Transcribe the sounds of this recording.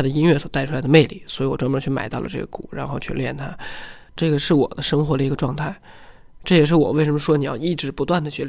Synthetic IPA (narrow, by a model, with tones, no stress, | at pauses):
a˥d̪ə˧i˥nɥɛ˥˩swɔ˨˩t̪a˥˩ɪʈ͡ʂʰu˥la˧˥ɪə˧me˥˧ɪli˨˩swɔ˧˥i˧˥wɔ˨˩ʈ͡ʂwmə˧˥t͡ɕʰy˥˩ma˨˩ɪt̪ɑ˥˩ʊlə̰˩ʈ͡ʂɤ̰˥˩ɡə̰˩kṵ˨˩˦ɻa̰˧˥nxo˥˧ʊt͡ɕʰy˥˧ljɛ̰˥˩nt̪ʰa˥ | ʈ͡ʂɤ˥˩ɡə˩ʂɻ̩˥˩wɔ̰˨˩d̪ə˦ʂɤ˥ŋxwɔ˧˥d̪ə˧i˧˥ɡə˧ʈ͡ʂwɑ˥˧ŋt̪ʰa˥˩ɪ | ʈ͡ʂɤ˥˩jɛ˨˩ʂɻ̩˥˩wɔ˨˩we˥˩ɪʂə˧˥nmə˧ʂwɔ˥ni˨˩jɑ̰˥˧ʊi˥˩ʈ͡ʂɻ̩˧˥pu˧˥t̪wa˥˩nd̪ə˩t͡ɕʰy˥˩l